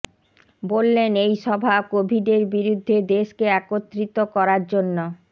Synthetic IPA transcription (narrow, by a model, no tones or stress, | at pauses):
bolːenejʃɔbʱakobʱiɖeɾbiɾud̪ʱːed̪eʃkeakot̪ːɾit̪okɔɾaɾd͡ʑonːo